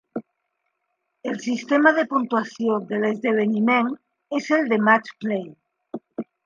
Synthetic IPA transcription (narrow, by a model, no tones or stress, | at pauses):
elsist̪emaðepunt̪uasjoðelezðeβ̞enimen | eseld̪emat͡ʃplej